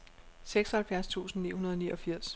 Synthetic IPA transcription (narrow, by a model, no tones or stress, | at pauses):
seɡ̥sɒhælfjæɐst͡sʰṵːsn̩nːḭːhunɐð̞ˠɒniːʔɒ̽fiɐ̰s